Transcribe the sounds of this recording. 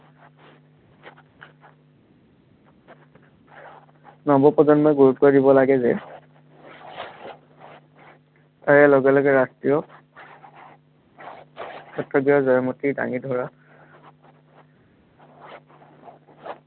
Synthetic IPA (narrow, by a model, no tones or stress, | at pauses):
nɔbɔpɔzɔnmɔjɡuɹutɔɹdibɔlaɡɛzɛ | taɹɛlɔɡɛlɔɡɛɹastɹijɔ | kɔtɹɔɡiɔzɔjmɔtida̰ŋidʱɔɹa